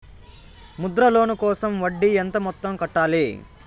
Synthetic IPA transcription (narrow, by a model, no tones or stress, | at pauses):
mud̪ɾɐlo̞ːnukɔːsɐmʋɐɖːient̪ɐmɔt̪ːɐmkɐʈːaːli